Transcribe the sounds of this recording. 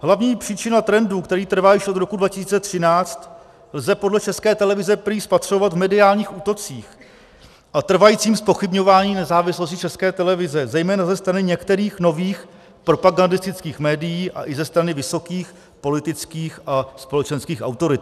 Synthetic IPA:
ɦlavɲiːpr̥iːt͡ʃɪnat̪ɾɛnduːkt̪ɛɾiːt̪r̩vaːjɪʃʔod̪ɾo̞kudvacɪsiːt͡sɛt̪r̝̥ɪnaːt͡st̪ | lzɛpo̞dlɛt͡ʃɛskɛːt̪ɛlɛvɪzɛpɾispat̪r̥ovat̪vmɛdɪaːlɲiːxuːt̪o̞t͡siːx | ʔat̪r̩vajiːt͡siːmspo̞xɪbɲo̞vaːɲiːnɛzaːvɪslos̬cɪt͡ʃɛskɛːt̪ɛlɛvɪzɛzɛjmɛːnazɛst̪ɾanɪɲɛkt̪ɛɾiːxno̞viːx | pɾo̞paɡandɪst̪ɪt͡skiːxmɛːdɪjiːʔa̰ʔɪzɛst̪ɾanɪvɪso̞kiːx | po̞lɪt̪ɪt͡skiːxʔaspo̞lɛt͡ʃɛnskiːxa̰wt̪o̞ɾɪt̪

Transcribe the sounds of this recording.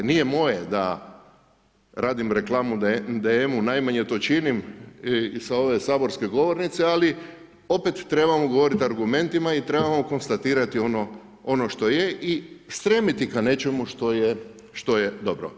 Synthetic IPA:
nije̞mo̞jed̪a̰ | ɾaːd̪imɾe̞klˠaːmud̪d̪eemunajmaɲe̞t̪o̞ːt͡ʃinim | saoʋe̞saːbo̞ɾske̞ɡo̞ʋoɾnit̪seali | o̞pet̪ːɾe̞bamoɡo̞ʋo̞ɾit̪aɾɡume̞nt̪imait̪ɾe̞bamoko̞nst̪at̪iːɾat̪io̞no | o̞no̞ʃt̪o̞jeʔist̪ɾemit̪ikane̞t͡ʃe̞muʃt̪o̞je | ʃt̪o̞jed̪o̞bɾo̰

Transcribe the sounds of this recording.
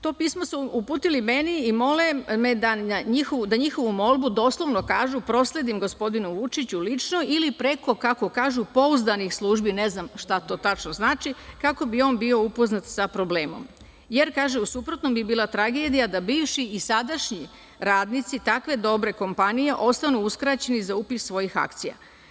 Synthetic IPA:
t̪o̞ːpiːsmosuupuːt̪ilime̞niːmo̞leme̞d̪aaɲixoud̪aɲixo̞ʋumo̞lˠbud̪o̞ːslˠo̞ʋnokaːʒupɾo̞slˠe̞d̪imɡo̞spo̞d̪inuʋut͡ʃit͡ɕulit͡ʃno̞ilipɾe̞ko̞kako̞kaːʒupo̞uzd̪anixslˠuːʒbine̞znamʃt̪at̪o̞ːt̪at͡ʃnoznaːt͡ʃikako̞bio̞ːnbio̞upo̞znat̪sapɾo̞bleːmo̞̰m | je̞ɾkaːʒeusupɾo̞t̪no̞mbibiːlˠat̪ɾaɡe̞d̪ijad̪abiːʋʃiisad̪aʃɲi | ɾaːd̪nit̪sit̪akʋe̞d̪o̞bɾe̞ko̞mpanije̞ʔo̞st̪anuuskɾat͡ɕe̞nizaupisːʋo̞jixa̰kt̪sija̰

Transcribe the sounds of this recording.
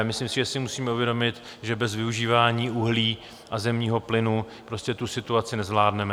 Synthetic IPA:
mɪslimsɪʒɛsɪmusiːmɛuvjɛdo̞mɪt̪ | ʒɛbɛzvɪuʒiːvaːɲiːʔuɦliː | ʔazɛmɲiːɦo̞plɪnu | pɾo̞scɛt̪usɪt̪uat͡sɪnɛzvlaːdnɛmɛ

